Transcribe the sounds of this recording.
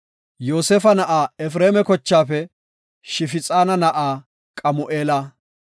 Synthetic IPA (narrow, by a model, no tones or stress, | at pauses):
jo̞ːsefɐnɐʔaːɛfɾeːmɛkɔt͡ʃːaːfɛ | ʃɪfɪt͡sʼaːnɐnɐʔaː | kʼɐmʊʔeːlaː